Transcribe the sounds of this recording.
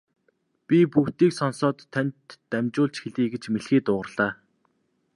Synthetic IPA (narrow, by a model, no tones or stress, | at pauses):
pʲipuxt̪iːksɔnsɔːt̪ʰːænʲt̪ːæmt͡ɕʊːɮt͡ɕxeɮiːɡet͡ɕmeɮxiːt̪ʊːʁə̆rɮ̥aː